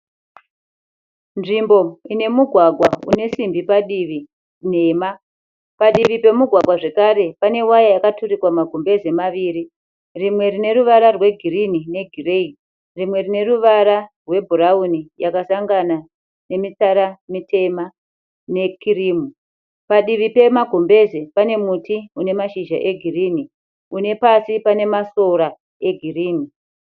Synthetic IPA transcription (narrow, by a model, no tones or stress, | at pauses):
nʐimbo̞ine̞muɡʱwaɡʱwaune̞simbipaɗiʋi | neːma | paɗiʋipe̞muɡʱwaɡʱwaʐe̞kaɾe̞pane̞wajajakaturikwamaɡʱombe̞ze̞maʋiːɾi | rimwe̞rine̞ɾuʋaɾarwe̞ɡʱirinine̞ɡʱire̞i | rimwe̞rine̞ɾuʋaɾarwe̞bʱuɾaunijakasaŋɡana | ne̞mit͡saɾamitʰe̞ma | ne̞kʰiriːmu | paɗiʋipe̞maɡʱo̞mbe̞ze̞pane̞mutiune̞maʃiʒa̰ʔe̞ɡʱiriːni | une̞pasipane̞maso̞ɾa | e̞ɡʱiriːni